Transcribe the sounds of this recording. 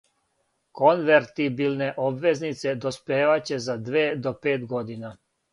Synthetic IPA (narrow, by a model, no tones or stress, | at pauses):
konʋeɾt̪ibilneʔobʋe̞znit̪se̞d̪ospeːʋat͡ɕe̞zad̪ʋeːd̪opeːt̪ɡo̞d̪ina